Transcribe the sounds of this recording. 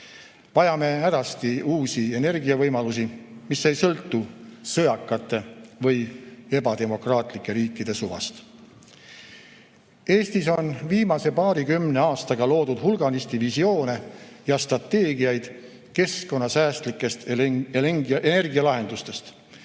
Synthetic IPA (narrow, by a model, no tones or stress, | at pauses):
vɑjɑme̞æɾɑst̪iuːsie̞ne̞rɡiɑvɤjmɑlus̬imisːe̞jsɤlt̪ːusɤjɑkːˑɑt̪ːˑe̞vɤje̞bɑd̪e̞mo̞krɑːt̪ˑlikːˑe̞ɾiːkːˑid̪̥e̞suvɑ̰st̪ | e̞ːst̪iso̞nviːmɑse̞pɑːɾikymne̞ɑːst̪ɑɡ̥ɑlo̞ːd̪ud̪̥hulɡ̥ɑnist̪ivisio̞ːne̞ | jɑst̪rɑt̪ːe̞ːɡiɑjd̪̥ | ke̞sko̞nːɑsæːst̪likːˑe̞st̪ | ene̞rɡiɑlɑɦe̞nd̪̥ust̪e̞st̪